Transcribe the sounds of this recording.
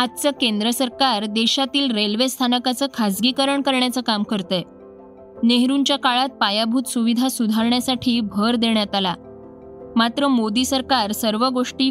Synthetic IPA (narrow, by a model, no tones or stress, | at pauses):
at̪̚t͡səkend̪ɾəsəɾkaɾd̪eɕat̪iːlɾelʋest̪ʰanəkat͡səːkʰad͡zɡiːkəɾəɳkəɾɳjat͡səkamkəɾt̪əj | neɦɾuɲt͡ɕjakaɭat̪̚pajabʱuːt̪suʋid̪ʱasud̪ʱaɾɳjasaʈʰiːbʱəɾd̪eɳjat̪ala̰ | mat̪ɾəmod̪iːsəɾkaɾsəɾʋəɡoʂʈiː